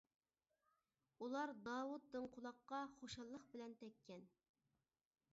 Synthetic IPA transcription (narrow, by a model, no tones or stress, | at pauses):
ulˠɑɾd̪ɑːwut̪̚ːɨŋqʰʊlˠɑqːɑχoʃɑlˠːəqbɪlɛnt̪ʰɛkʲːɛn